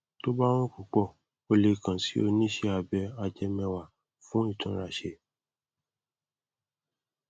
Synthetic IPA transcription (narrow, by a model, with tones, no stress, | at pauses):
to˦ba˦w̃ũ˦ku˨k͡pɔ˦˨ | o˧le˧kã˨si˨˦o˧nĩ˦ʃɛ˧˦a˧bɛ˧a˧d͡ʒɛ˧mɛ̃˧wa˨ | fũ˨˦i˦˨tʰũ˧˦ɾa˨ʃe˧